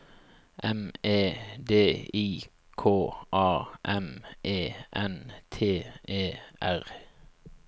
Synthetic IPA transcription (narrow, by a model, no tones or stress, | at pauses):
ʔɛmeːd̪eːiː | kʰoːʔɑːʔɛmʔeːʔɛnt̪ʰeːeːʔæʁ